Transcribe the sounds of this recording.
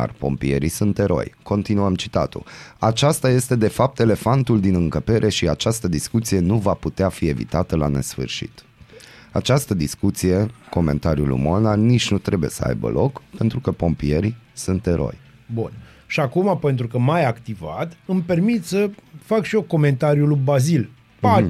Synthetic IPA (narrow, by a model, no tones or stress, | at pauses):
a̰rpo̞̰mpḭje̞̰ɾisunt̪e̞ɾo̞̰jko̞nt̪inuamt͡ʃi̥t̪at̪ṵat͡ʃast̪aje̞st̪e̞d̪e̞fap̚t̪e̞le̞fant̪uld̪inɨŋkəpe̞ɾʔe̞ʃiat͡ʃast̪əd̪iskut̪sije̞nuvaput̪eafie̞vḭt̪at̪əla̰ne̞̰sfɨ̰rʃḭt̪ | at͡ʃast̪əd̪iskut̪sije̞ko̞me̞̰nt̪aɾiṵlṵmonanit͡ʃnut̪ɾe̞buje̞səa̰jbə̰lʔo̞̰kpe̞nt̪ɾukəpo̞mpie̞ɾisunt̪e̞ɾo̞̰j | bun | ʃiakumape̞nt̪ɾukəmajakt̪ivat̪ɨmpe̞rmit̪səfakʃioko̞me̞nt̪aɾjulubazil | pa